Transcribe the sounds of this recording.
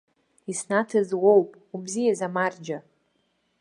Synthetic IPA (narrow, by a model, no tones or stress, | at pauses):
isnatʰɨzwowpʼ | ubzijazamard͡ʒa